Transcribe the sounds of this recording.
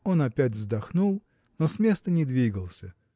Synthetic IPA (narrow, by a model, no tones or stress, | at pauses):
o̞nɐpʲæt̬ʲvzd̪ɐxnulˠ | no̞smʲe̞st̪ənʲɪd̪vʲiɡəlˠsʲə